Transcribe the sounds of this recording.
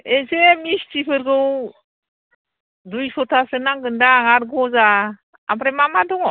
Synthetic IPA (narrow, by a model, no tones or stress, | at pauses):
esemist͡ʃipʰɯɾɡɯw | dujsɔtʰasɯnaŋɡɯndaŋaɾɡɔza | a̰bɾɛmamadɔŋɔ